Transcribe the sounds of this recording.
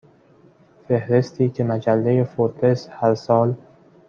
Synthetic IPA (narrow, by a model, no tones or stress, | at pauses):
fehɾe̞st̪ʰiːcʰe̞mæd͡ʒælːejefoɾt̪ʰe̞shæɾsɒːl